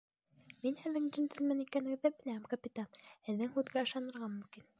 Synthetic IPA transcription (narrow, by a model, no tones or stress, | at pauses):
minhɘ̆ðːɘŋd͡ʒɘ̆nt̪ɘ̆lmɘnikænɘ̆ɡɘ̆ðːæbɘ̆læhæmkɐpʲit̪anhɘ̆ðːɘŋhʉðɡæɤ̆ʃɑnɤ̆ɾʁɑmɵ̆mkin